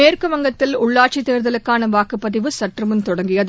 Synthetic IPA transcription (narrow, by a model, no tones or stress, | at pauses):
eːrkɯʋɐŋɡɐt̪ːɪlʊɭːaːʈ̚t͡ʃit̪ːeːɾðɐlɯkːaːnɐʋaːkɯpːɐðɪʋɯsɐʈrɯmɯnt̪ɔɽɐŋɡɪjɐð